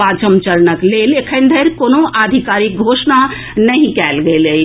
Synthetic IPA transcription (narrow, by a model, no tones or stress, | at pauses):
at͡ʃəmt͡ʃəlnəklelekʰənd̪ʱəɾkonoʔad̪ʱikaɾik̚ɡʱosna | nəɦĩkɛlɡelə